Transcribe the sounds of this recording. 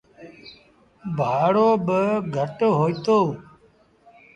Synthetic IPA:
bʱaːɽoːbəɡʱəʈɦoːit̪oː

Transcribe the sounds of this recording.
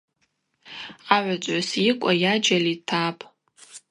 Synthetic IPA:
aʕʷat͡sʷʼʕasikʷʼajad͡ʒalitʰapʼ

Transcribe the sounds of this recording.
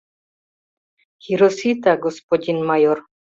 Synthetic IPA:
hiɾosit̪aɡospodinmajoɾ

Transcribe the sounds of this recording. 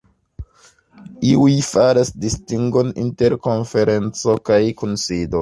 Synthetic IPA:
iujfaɾasdistiŋɡo̞nḭnte̞ɾko̞nfe̞ɾe̞nt͡so̞kajkunsido

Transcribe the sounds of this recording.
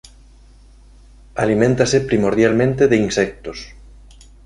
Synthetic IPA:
alimẽnt̪asepɾimoɾðjalmẽnt̪eðeinsɛk̚t̪os

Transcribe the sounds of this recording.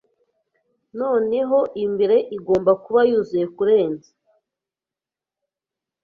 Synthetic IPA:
no̞ːne̞ɦo̞ʔimbeɾe̞ʔiɡo̞ːmbakuβajuːzuje̞kuɾe̞ːnzḁ

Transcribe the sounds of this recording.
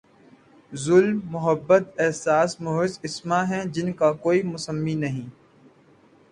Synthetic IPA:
zʊlmːʊɦəbːət̪ɛɦsaːsmʊɦɪsɪsmaɦɛ̃d͡ʒɪnkakoːimʊsəmːinɐɦĩː

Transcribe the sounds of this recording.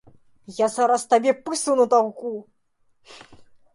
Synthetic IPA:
jazaɾast̪abʲɛpɨsɨwnɐt̪aɣku

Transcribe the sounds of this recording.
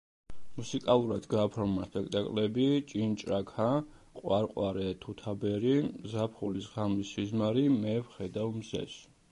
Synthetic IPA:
musikʼalˠuɾad̪ɡaːpʰɾɔmaspʼɛk̚ʰt̪ʼakʼlɛbit͡ʃʼint͡ʃʼɾakʰa | qʼwaɾqʼwaɾɛt̪ʰut̪ʰabɛɾizapʰχulisʁamisizmaɾimɛvχɛd̪awmzɛ̰s

